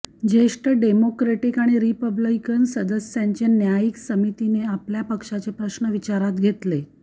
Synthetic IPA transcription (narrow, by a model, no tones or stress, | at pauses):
d͡ʑeʂʈəɖemokɾeʈikaɽ̃iɾipəblikənsəd̪əsjaɲt͡ɕenjajiksəmit̪ineapljapəkʂat͡sepɾəɕnəʋit͡ɕaɾat̪ɡʱet̪le